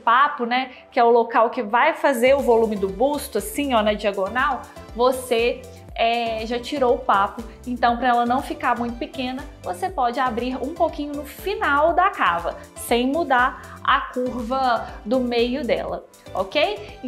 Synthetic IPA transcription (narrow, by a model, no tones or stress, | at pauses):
papʊnɛ | kɪɛʊlokawkɪvajfazeɾʊvolũmɪd̪ʊbust̪ʊɐsĩonɐd͡ʒiɐɡonaw | vose | ɛʒat͡ʃiɾowʊpapʊ | ẽnt̪ɐ̃w̃pɾɐɛlɐnɐ̃w̃fikaɾmũj̃t̪ʊpɪkẽnɐvosepɔd͡ʒɪabɾiɾũpowkĩɲʊnʊfinawd̪ɐkavɐ | sẽj̃mud̪aɾ | ɐ̰kuɾvɐd̪ʊmejʊd̪ɛ̰lɐ̰ | okej